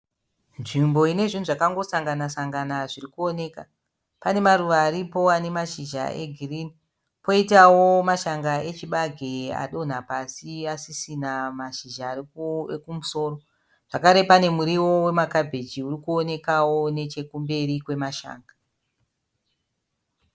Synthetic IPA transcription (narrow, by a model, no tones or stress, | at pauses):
nʐimbo̞ine̞ʐin̤uʐakaŋɡo̞saŋɡanasaŋɡanaʐirikuo̞ne̞ka | pane̞maɾuʋaːɾipo̞ane̞maʃiʒa̰ʔe̞̰ɡʱirini | po̞itawomaʃaŋɡae̞t͡ʃiɓaɡʱea̰ɗo̞n̤apasiasisinamaʃiʒaːrekumuso̞ːɾo̞ | ʐ̥akaɾe̞pane̞muɾiwo̞we̞makabʱe̞d͡ʒiurikuone̞kawo̞ne̞t͡ʃe̞kumbe̞rikwe̞maʃa̰ːŋɡa